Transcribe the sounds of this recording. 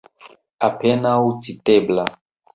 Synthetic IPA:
apɛnaut͡sitɛbla

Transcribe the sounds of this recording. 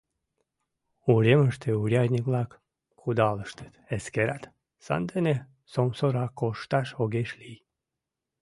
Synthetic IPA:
uɾʲeməʃt̪euɾʲɑjnʲiklɑk | kʰud̪ɑləʃt̪ə̥t̪eskeɾat̪ | sɑ̰nd̪ene | somsoɾɑkoʃt̪ɑʃoɣeʃlij

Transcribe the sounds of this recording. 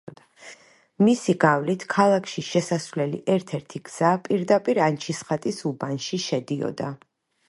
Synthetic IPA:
misiɡavlit̪ʰkʰalˠakʰʃiʃɛsasvlɛlḭʔɛɾt̪ʰɛɾt̪ʰiɡz̥apʼiɾd̪apʼiɾant͡ʃʰisχat̪ʼisubanʃiʃɛd̪iɔ̰d̪a

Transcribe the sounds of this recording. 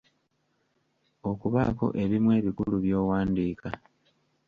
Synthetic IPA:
o̞kuβa̰ko̞̰ʔe̞βimwe̞ːβikuluβjo̞ːwaːndiːka

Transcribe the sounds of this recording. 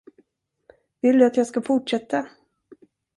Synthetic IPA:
vɪld̪ɵat̪jɑːɡskafʊʈʂɛt̪ːa

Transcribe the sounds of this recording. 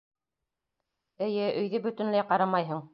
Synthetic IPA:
ɘ̆jɘʔɵ̆jðɘbɵ̆t̪ɵ̆nlæjqɑɾɑmɑjɦɤɴ

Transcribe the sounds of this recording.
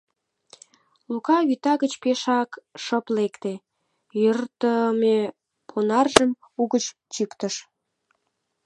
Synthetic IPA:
lukɑɣyt̪ɑɣət͡ɕpeʃɑkʃəplekt̪e | jørt̪əme | pʰonɑrʒəm | uɣət͡ɕt͡ɕikt̪əʃ

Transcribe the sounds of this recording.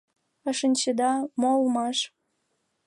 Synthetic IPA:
ə̆ʃənʲt͡ɕəd̪ɑmolmɑʃ

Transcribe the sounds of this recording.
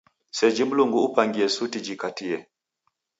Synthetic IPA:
sɛd͡ʒimuluŋɡuːpaŋɡiɛsutid͡ʒikatijɛ

